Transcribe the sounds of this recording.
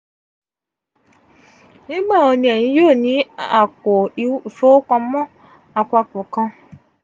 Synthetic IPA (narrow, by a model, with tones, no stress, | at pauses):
nĩ˦ɡ͡ba˦˨o˧nĩ˧˦ɛ˨j̃ĩ˨˦joː˦˨nĩ˨˦a˦˨ko˨fo˦kɔ̃˧mɔ̃˦˨ | a˨kʷa˧kõ˨kã˧